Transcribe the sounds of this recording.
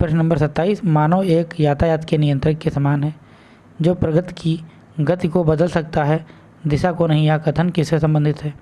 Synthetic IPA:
pɾəʃnɐ̃mbəɾsɐt̪ːaːiːsmaːnoeːkjaːt̪ʰajaːt̪kenɪjə̃nt̪ɾɪkːesɐmaːnɦɛː | d͡ʒoːpɾɐɡət̪i̥ki | ɡɐt̪ikobɐd̪əlsɐk̚t̪aɦɛ | d̪ɪʃakonɐɦĩjakɐt̪ʰənkɪsesɐ̃mbə̃nd̪ʱɪt̪ɦɛː

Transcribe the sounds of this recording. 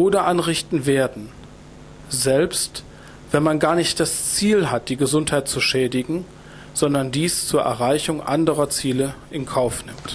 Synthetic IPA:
ʔoːdɐʔanʁɪçtn̩veːɐdn̩ | zɛlpst | v̥ɛnmanɡaːɐnɪçt̚d̥ast͡siːlɦat̚d̥iːɡəzʊnthaɪt̚t͡suʃɛːdɪɡŋ̩ | z̥ɔndɐndiːst͡suːɐʔɛ̰ɐʁaɪçʊŋʔa̰ndəʁɐt͡siːləʔɪnkʰaʊfnɪmt

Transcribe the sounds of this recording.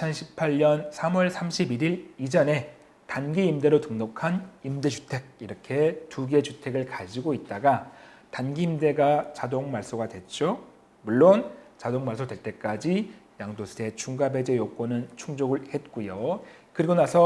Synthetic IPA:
it͡ɕʰʌnɕʰi̥pʰaʎɲʌnsʰamuʌɭsʰamɕʰibiɾiɾid͡ʑʌne̞ | tanɡiːmde̞ɾotɯŋnokʰanimde̞d͡ʑutʰe̞ɡ̚iɾʌkʰe̞tuɡe̞t͡ɕutʰe̞ɡɯɭkad͡ʑiɡoit̚t͈aɡa | tanɡiːmde̞ɡat͡ɕadoŋmaɭs͈oɡadwe̞t̚t͡ɕ͈o | muɭːont͡ɕadoŋmaɭs̬͈odwe̞ɭt͈e̞k͈ad͡ʑijaŋdosʰe̞t͡ɕʰuŋɡabe̞d͡ʑe̞jok͈onɯnt͡ɕʰuŋd͡ʑoɡɯɭhe̞t̚k͈ujo | kɯɾiɡonasʰʌ

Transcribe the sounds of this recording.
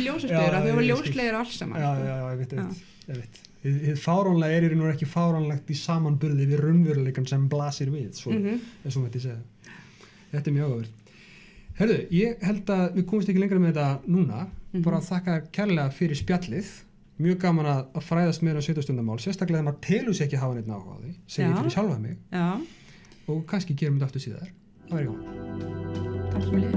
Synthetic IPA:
ljoːwsasejɾaaljowslejɪɾaalsama̰aːajawɛmɪht̪ɛmː | ɛmɪht̪ | ɪðhɪðfaːwɾanlaɛɾɛɾnuɾɛhcɪfaːwɾanlajxt̪isaːmanpʏɾðɪvɪðrʏnvʏɾalejkamsɛmplaːsɪɾvɪðsɔɛs̬ɔmaht̪ɪseːða | θɛht̪ɪɾmjaːɣavʏɾ̥t̪ | hɛɾðʏjɛɣhɛlt̪aðvɪðkʰɔːmɪst̪ɛhcɪleŋkɾamɛðɛt̪anuːnːapaːɾaðθahkacʰɛɾlɛɣafɪɾɪɾ̥spjat̪lɪð̥ | mjœːɣkaːmanaðaðfɾaːjðast̪mɛːɾas̬œːt̪ast̪ʏnt̪aɾmawlsjɛst̪aklɛɣaðamat̪ʰɛːlʏsɛhcɪɦaːvanejt̪na̰wha̰ðɪsɛmmjɛfaɾɪsjawlvamɪ̰ɣ | ɔɣkʰanscɪcɛːɾʏmɪnt̪aft̪ʏ̥ɾsiːða̰ðɛɾ̥ | vɛɾjaana | a

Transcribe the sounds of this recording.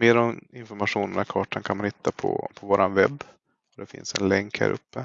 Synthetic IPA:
meːɾɔmɪnfɔɾmaɧuːnənakʰɑːʈankʰanmanhɪt̪ʰːapʰɔ̰pʰɔvoːɾanvɛbː | ɔd̪ɛfɪ̰nsɛ̰nlɛŋkhæ̰ːɾʔɵpːə

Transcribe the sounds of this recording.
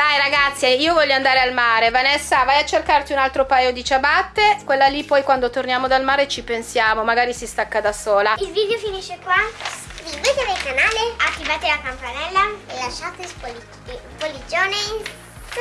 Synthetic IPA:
dajɾaɡat̪sːjaiːovɔʎːoand̪aːɾealmaːɾevanɛsːavajat͡ʃːerkart̪iunalt̪ɾopajod̪it͡ʃabat̪ːekwelːalipɔjkwand̪ot̪ornjaːmod̪almaːɾet͡ʃipensjaːmomaɡaːɾisist̪akːad̪asoːlailvid̪jofiniʃːekwaskɾivet̪ed̪elkanaːleat̪ːivaːt̪elakampanɛlːaelaʃːaːt̪es | polːid͡ʒoːne

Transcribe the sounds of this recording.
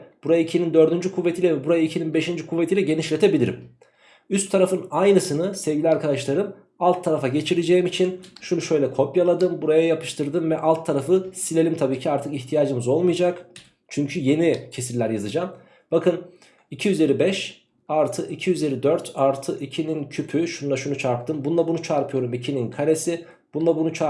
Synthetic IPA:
b̥uɾajaicʰinind̪ø̞ɾd̪ynd͡ʒykʰuvːet̪ilʲɛvɛbuɾajaicʰininbe̞ʃind͡ʒykʰuvːet̪ʰilʲɛɟe̞niʃlʲe̞t̪ʰe̞bilʲiɾḭm | yst̪ʰːaɾafɯnajnɯsɯnɯsɛvɟʲilʲiaɾkʰad̪aʃlˠaɾɯm | alˠt̪ʰːaɾafaɟe̞t͡ʃʰiɾed͡ʒe̞jimit͡ʃʰinʃunuʃø̞jlʲɛkʰo̞pjalˠad̪ɯmbuɾajajapʰɯ̥ʃt̪ʰɯɾd̪ɯmvɛʔalˠt̪ʰːaɾafɯsilʲelʲimt̪ʰabiːcʰiaɾt̪ʰɯkiçt̪ʰijaːd͡ʒɯmɯzo̞lˠmɯjad͡ʒak | t͡ʃʰyɲcʰyje̞nicʰe̞sillʲæɾjazɯd͡ʒam | bakɯn | icʰijyzeɾibɛʃ | aɾt̪ʰɯʔicʰijyzeɾid̪øɾt̪ʰaɾt̪ʰɯʔicʰinincʰypʰyʃunˠaʃunut͡ʃʰaɾp̚t̪ʰɯmbunˠabunut͡ʃʰaɾpʰɯjo̞ɾumicʰininkʰaɾesi | b̥unlˠabunut͡ʃʰa

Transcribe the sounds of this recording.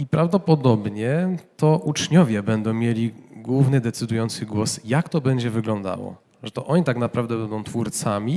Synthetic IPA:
ipɾavd̪ɔpɔd̪ɔbɲɛt̪ɔʔut͡ʂɲɔvʲjɛbɛnd̪ɔ̃w̃mʲjeɛlʲiɡwuvnɘd̪ɛt̪sɘd̪ujɔnt̪sɘɡwɔsjakt̪ɔbɛɲd͡ʑɛvɘɡlɔ̃nd̪a̰wɔ̰ | ʐɛt̪ɔʔɔɲit̪aknapɾavd̪ɛbɛnd̪ɔ̃w̃t̪fuɾt̪samʲi

